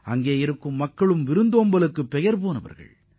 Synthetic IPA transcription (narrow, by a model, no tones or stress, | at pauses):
ɐŋɡeːɪɾɯkːɯmːɐkːɐɭɯmʋɪɾɯnd̪oːmbɐlɯkːɯpːɛjɐɾpoːnɐʋɐ̰ɾɣɐ̰ɭ